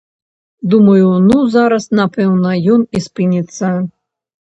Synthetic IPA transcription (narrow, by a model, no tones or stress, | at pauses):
d̪umɐjunuzaɾɐsnapɛwnɐjɔnispɨnʲit̪sːɐ